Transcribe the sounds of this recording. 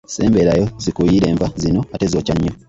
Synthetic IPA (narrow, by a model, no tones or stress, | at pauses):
se̞̰ːmbe̞ɾajozikujiɾe̞ːɱvazino̞ate̞zoːcaɲːo